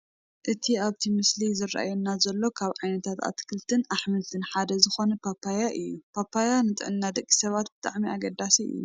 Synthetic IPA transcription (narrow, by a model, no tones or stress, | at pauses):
ʔɨt̪ʰiaβt̪ʰimɨslizɨrːa̰ʔa̰junːazɐlːo̞kʰaβʕajnɐt̪ʰat̪a̰t̪kʰɨlt̪ʰɨnaħmɨlt̪ʰɨnħad̪ɐzɨxo̞nɐpʰapʰːajaʔɨjːupʰapʰːajanɨt̪ʼɨʕɨnːad̪ɐkʼːi̥sɐβat̪bɨt̪ʼaʕmiaɡɐd̪ːasiɨ̰jːṵ